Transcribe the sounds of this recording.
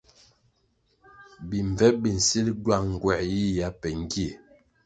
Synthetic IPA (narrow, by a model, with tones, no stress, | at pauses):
bi˨ɱ˨vɛ˦bi˨n̩˨si˦lɟwa˦˨ŋ̩˨ɡwɛ˨ʔji˦ja˨˦pɛ˨ŋ˦ɡi˦e˨